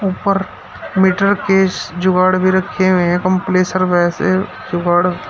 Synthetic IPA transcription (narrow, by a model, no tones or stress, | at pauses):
uːpəɾ | miːʈəɾkesd͡ʒʊɡaːɽbʱiɾɐkʰeʋeɦɛ̃kɐ̃mpleːsəɾʋɛːse | d͡ʒʊɡaːɽ